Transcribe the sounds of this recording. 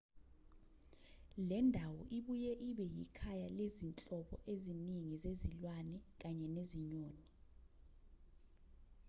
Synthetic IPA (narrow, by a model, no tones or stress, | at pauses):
lɛndʱawɔʔiɓujɛʔiɓɛjikʰajalezint͡ɬʼɔɓɔ̰ʔeziniŋizezilwanɛk̬aɲɛneziɲoːni